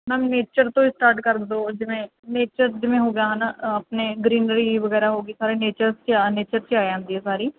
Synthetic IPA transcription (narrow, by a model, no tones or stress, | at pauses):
mɛ̃ːneːt͡ʃəɾt̪õːɪsʈaːɾʈkəɾd̪oːd͡ʒɪʋẽːneːt͡ʃəɾd͡ʒɪʋẽɦoːɡəjaːɦanaəpneːɡɾiːnɾiʋəɣɛːɾaːɦoːɡiːsaːɾeneːt͡ʃəɾst͡ʃːneːt͡ʃəɾt͡ʃaːeə̃nd̪iːɦɛːsaːɾiː